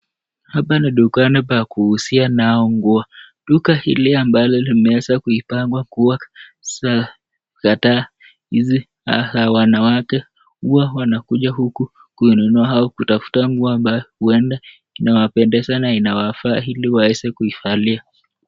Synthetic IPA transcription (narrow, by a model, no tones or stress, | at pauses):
hapaniɗukanipakuhusianaɔŋɡuaɗukahḭliambalɔlimɛɛsakuipaŋɡwakuaa | kataː | hizi | ha̰sawanawakɛ | huawanakuʄahuku | kuinɛnuaɦaɔkutafu̥taŋɡuaambajɔhuɛnda | inawapɛndɛsanainawafaːhiliwaɛsɛkuifalia